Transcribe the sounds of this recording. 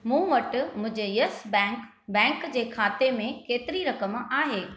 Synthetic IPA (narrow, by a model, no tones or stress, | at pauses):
mũːʋɐʈmʊ̃ɦd͡ʑejɐsbk | bɛ̃ːŋkd͡ʑeːkʰaːt̪emẽkeːt̪ɪɾiɾɐkəmaːɦeː